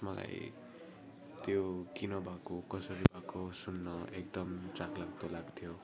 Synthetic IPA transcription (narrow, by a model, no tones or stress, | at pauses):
mʌla̰j | t̪jokinʌbʱakokʌsʌɾibʱakosunːʌek̚d̪ʌmt͡saklaɡt̪olaɡt̪ʰjo